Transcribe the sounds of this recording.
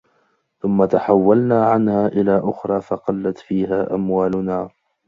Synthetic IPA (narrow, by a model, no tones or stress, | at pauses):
θʊmːat̪aħawːalnaːʕanhaːʔɪlaːʔʊxɾˤɑːfɑqɑlːat̪fiːɦaːʔamwaːlʊnaː